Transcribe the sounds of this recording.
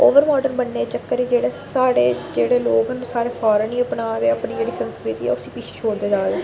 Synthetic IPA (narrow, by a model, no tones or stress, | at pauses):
oːʋəɾmɔːɖənbənːeːt͡ʃəkːəɾiːd͡ʒeːɽeːsaːɽeːd͡ʒeːɽeːloːɡənũːsaːɾeːpʰaːɾənĩːəpɳaːd̪eːəpniːd͡ʒeːɽiːsənskɾɪt̪iːɛ̰ːʊsĩːpiːt͡ʃʰe̥ːt͡ʃʰoːɽd̪eːd͡ʒaːd̪eː